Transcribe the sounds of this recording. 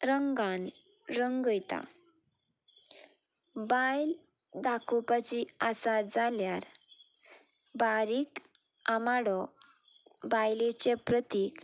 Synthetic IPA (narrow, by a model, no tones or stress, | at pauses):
ɾəŋɡan | ɾəŋɡəjt̪a̰ | bajld̪akʰupat͡ɕiasad͡zaljaɾ | baɾiːk | amaɽɔ | bajlet͡ɕepɾət̪ik